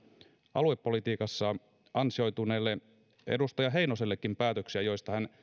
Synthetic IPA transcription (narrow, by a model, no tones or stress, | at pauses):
ʔɑ̰lue̞pːo̞lit̪iːkɑsːɑ | ɑnsio̞jt̪uneːlːe | ḛdust̪ɑjɑɦejnoselːekːimpæːt̪øksiæjo̞jst̪ɑhæn